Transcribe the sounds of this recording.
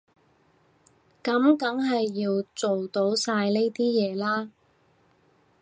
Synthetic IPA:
kɐ˨˥mkɐ˨˥ŋɦɐ˨jːiː˧wt͡so˨wt̪o˨˥wsaː˧jne˥jt̪iː˥jɛː˨˧laː˥

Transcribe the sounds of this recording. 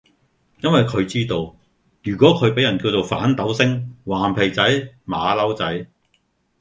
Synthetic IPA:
jɐ˥nwɐ˨jkʰɵ˨˧ɥt͡siː˥t̪o˧w | jyː˨˩kʷɔː˨˥kʰɵ˨˧ɥpe˨˥jɐ˨˩nkiː˧wt͡so˨wfa̰ː˨˥nt̪ɐ˨˥wsɪ˥ŋwaː˨˩npʰe˨˩jt͡sɐ˨˥jmaː˨˧lɐ˥wt͡sɐ˨˥j

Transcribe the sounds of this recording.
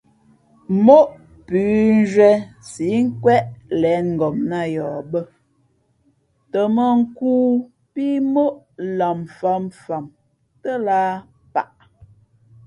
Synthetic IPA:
mo˦ʔ | pʉː˨˦n˦d͡ʒɥɛ˦si˨˦ŋ̩˦kwɛ˦ʔlɛ˨˦nŋ̩˨ɡɔ˨mna˦˨jɔː˨bə˦˨ | tə˨mə˨ŋ̩˦kuː˦ | pi˦mo˦ʔ | la˨mfa˦mfa˨m | tə˦laː˦ | pa̰˨ʔ

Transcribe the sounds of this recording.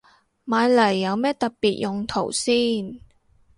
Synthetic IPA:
maː˨˧jlɐ˨˩jːɐ˨˧wmɛː˥t̪ɐ˨k̚piː˨t̚jʔʊ˨ŋt̪ʰo˨˩wsiː˥˩n

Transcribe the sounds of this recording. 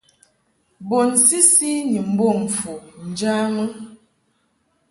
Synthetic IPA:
bo˨n˨si˦si˦ɲi˨m̩˨˦bo˦˨m̩˨fu˨n̩˨d͡ʒaː˦mə˦

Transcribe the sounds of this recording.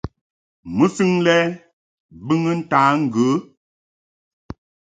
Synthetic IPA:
mə˦fi˦ŋlɛ˦ | bɨ˦ŋə˦n̩˦taː˨˦ŋ̩˨ɡə˨˦

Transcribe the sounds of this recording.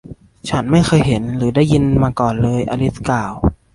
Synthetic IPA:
t͡ɕʰa˦˥nma˥˩jxʰɤː˧jɦe˩˦nɾɯː˩˦daː˥˩jːi˧nmaː˧kɔː˨˩nlɤː˧jʔa̰˧li˦˥t̪̚kaː˨˩w

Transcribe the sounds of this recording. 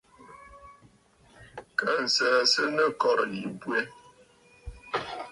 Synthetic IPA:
kə˦n̩˨sɛ˦sə˦nə˦kɔ˦˨ɾji˨bwe˦

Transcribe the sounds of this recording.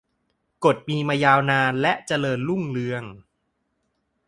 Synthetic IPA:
ko˨˩t̪̚miː˧maː˧jaː˧wnaː˧nlɛ˦˥ʔt͡ɕa˧lɤː˧nlu˥˩ŋlɯ˧əŋ

